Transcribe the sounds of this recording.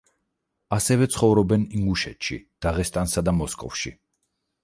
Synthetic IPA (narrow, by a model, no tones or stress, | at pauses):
asɛvɛt̪sʰχɔvɾɔbɛniŋɡuʃɛt̪ʃḭd̪̥aʁɛst̪ʼansad̪amɔskʼɔ̰fʃi